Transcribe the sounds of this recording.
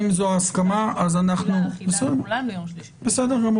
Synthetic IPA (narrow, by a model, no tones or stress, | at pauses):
mzoaskamaʔazanaχnubɪsɛ | bɪsɛdəɾm